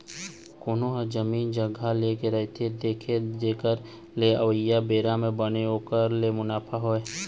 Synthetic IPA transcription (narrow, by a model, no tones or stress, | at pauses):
koːnoɦəd͡ʒəmiːnd͡ʒəɡʱalekeɾəɦet̪ʰed̪eːkʰed͡ʒeːkəɾ | leəʋəjːabeːɾamẽbəneoːkəɾlemʊnaːpʰaɦoːe